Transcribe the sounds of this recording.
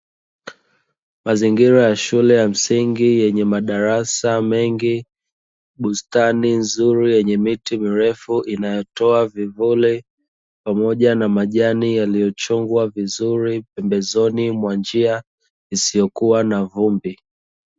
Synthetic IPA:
maziŋɡiɾajaʃulɛjam̩siŋɡijɛɲɛmaɗaɾasamɛŋɡi | ɓustaninzuɾijɛɲɛmitimiɾɛfuʔinajɔtɔavivuli | pamɔʄanamaʄanijalijɔt͡ʃɔŋɡwavizuɾipɛmbɛzɔnimwand͡ʒia | isijɔkuwanavumbi

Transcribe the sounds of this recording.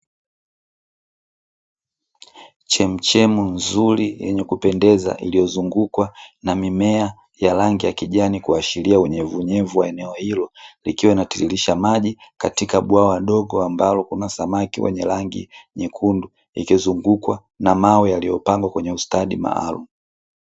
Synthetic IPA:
t͡ʃɛm̩t͡ʃɛmunzulijɛɲɛkupɛndɛza̰ʔilijɔzuŋɡukwanamimɛa | jalaŋɡijakiʄanikuaʃiliauɲɛvuɲɛvuwaɛnɛɔhilɔlikiwainatililiʃamaʄikatikaɓwawaɗɔɡɔambalɔkunasamakiwɛ̰ɲɛlaŋɡḭɲɛkʰundu | ḭkizuŋɡukwa | namawɛjalijɔpaŋɡwakwɛɲɛustaɗima̰a̰lṵmu

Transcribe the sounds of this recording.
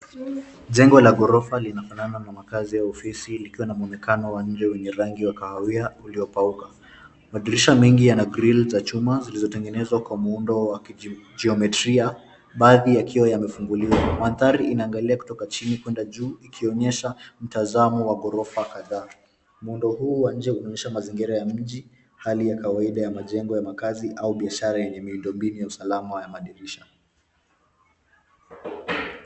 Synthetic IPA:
ʄɛŋɡɔlaɡɔɾɔfalinafanananamakazijaɔfisilikiwanamuɔnɛkanɔwaɲ̩d͡ʒɛwɛɲɛɾaŋɡiwakahaiauliɔpauka | maðiɾiʃamiŋɡijanaɡɾilzat͡ʃumazilizɔtɛŋɡɛnɛzwakwamuundɔwakd͡ʒiɔmɛtɾia | ɓaːðijakʰiwajamɛfuŋɡuliwamanθaɾiinaːŋɡaliaku̥tɔkat͡ʃinikwɛndaʄuːikʰiɔɲɛʃam̩tazamɔwaɠɔɾɔfakaðaː | muundɔhuːwaɲ̩d͡ʒɛunɔɲɛʃamaziŋɡiɾajam̩ʄi | halijakawaiɗajamaʄɛŋɡɔjamakaziʔauɓiaʃaɾajɛɲɛmiundɔmbinujausalamajamaɗiɾiʃa

